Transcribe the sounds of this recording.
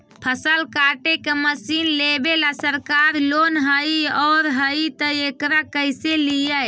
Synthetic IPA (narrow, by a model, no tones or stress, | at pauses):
pʰəsəlkaʈekeməsinlebelasəɾkaɾlonɦəiɔːɾɦəit̪əekɾakəjselijəj